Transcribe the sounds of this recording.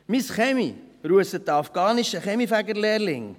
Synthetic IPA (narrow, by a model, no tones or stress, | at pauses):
misχɛmiɾuəsət̚dəɑfɡ̥ɑːniʃəχɛmifæɡəɾleːɾlɪŋ